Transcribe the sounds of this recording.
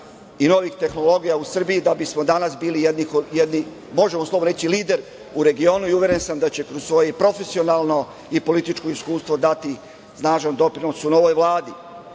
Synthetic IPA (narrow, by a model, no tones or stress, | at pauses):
ino̞ʋixt̪e̞xno̞lˠo̞ɡijausr̩bijid̪abismo̞d̪anasbiːlijed̪nixojed̪ni | mo̞ʒemoslo̞boɾe̞t͡ɕiliːd̪e̞ɾ | uɾe̞ɡio̞ːnuiuʋje̞ɾe̞nsamd̪at͡ɕe̞kɾossʋo̞jepɾo̞fe̞sio̞naːlˠno̞ | ipo̞lit̪it͡ʃkoiskuːst̪ʋod̪at̪i | snaːʒand̪o̞pɾino̞suno̞ʋo̞jʋlˠaːd̪i